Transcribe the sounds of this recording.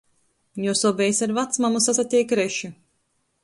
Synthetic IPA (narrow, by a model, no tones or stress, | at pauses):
jɔsɔbʲɛjsʲaɾvat̪smamusasat̪ʲijkɾɛʃu